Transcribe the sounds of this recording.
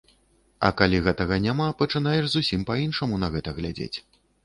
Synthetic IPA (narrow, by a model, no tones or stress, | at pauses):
ɐ̰kalʲiɣɛt̪ɐɣɐnʲamapɐt͡ʂɨn̪ajɛʐzusʲimpainʂɐmunɐɣɛt̪ɐɣlʲad͡zʲḛt͡sʲ